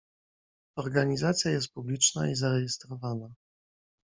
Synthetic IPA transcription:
ɔɾɡaɲizat̪sʲjajɛst̪̚publʲit͡ʂna̰izaɾɛjɛst̪ɾɔvana

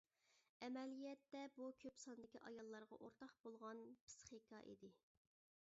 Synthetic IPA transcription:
ɛmɛlijɛt̪ːɛbukʲʰøpsɑnd̪ɪkʲiʔɑjɑlˠːɑɾʁɑ̰ʔoɾt̪ʰɑχbolˠʁɑnpʰɨ̥sχikʰɑ̰ʔḭd̪ɪ

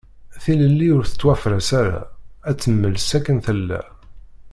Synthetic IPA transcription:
θiləlːiʊɾθə̥t͡sːwæfɾæsaɾa̰æt͡sːəmːəlsækːənθəlːæ̰

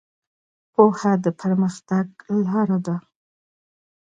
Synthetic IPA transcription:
pohad̪əpʰəɾməxt̪aɡlɑɾad̪a

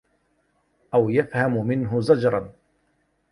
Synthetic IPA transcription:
ʔawjafhamʊmɪnɦʊzad͡ʒɾˤɑn

